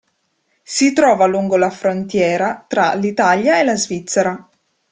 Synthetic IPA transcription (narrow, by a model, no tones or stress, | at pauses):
sit̪ɾɔːvaluŋɡolafɾont̪jɛːɾat̪ɾalit̪aljaelazvit̪sːeɾa